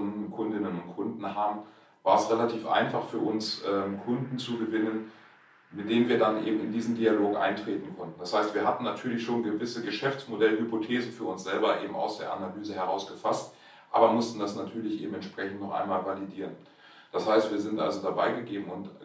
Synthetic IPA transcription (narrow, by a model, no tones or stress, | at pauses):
ʊndn̩kʰʊndɪnənʊntkʰʊndn̩ɦaːbm̩ | vaːɐɛsʁelatʰiːfʔa̰ɪnfaχfyːɐʔʊnsʔɛːmkʰʊndn̩t͡suɡəvɪnən | mɪt̚d̥eːmviːɐdanʔḛːbm̩ɪndiːzn̩dialoːkʔa̰ɪntʁ̥eːtn̩kʰɔntn̩d̥ashaɪstv̥iːɐɦatn̩ːatʰyːɐlɪçʃoːnɡəvɪsəɡəʃɛft͡smodɛləhypotʰeːzn̩fyːɐʊnsz̥ɛlbɐʔḛːbm̩a̰ʊsd̥ḛːɐʔa̰nalyːzəhɛʁaʊsɡ̥əfast | ʔa̰ːbɐmʊstn̩dasnatʰyːɐlɪçʔḛːbm̩ɛnʃpʁ̥ɛçn̩tnɔχʔa̰ɪnmaːlvalidiːʁ̞ən | d̥ashaɪstv̥iːɐzɪntʔa̰lzodabaɪɡəɡeːbm̩ʊnt